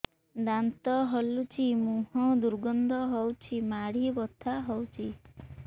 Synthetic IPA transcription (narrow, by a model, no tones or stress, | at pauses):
d̪ant̪ɔɦɔlut͡ʃʰimuɦɔ̃d̪uɾɡɔnd̪ɔɦɔwt͡ʃʰimaɽibɔt̪ʰaɦɔwt͡ʃʰi